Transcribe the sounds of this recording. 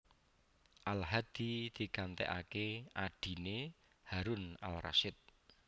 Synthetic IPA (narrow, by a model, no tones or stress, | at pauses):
ʔalɦad̪̥id̪̥i̤kant̪ɛ̰ʔa̰keʔaɖ̥i̤ne | haɾʊna̰lra̰ʃɪt̪̚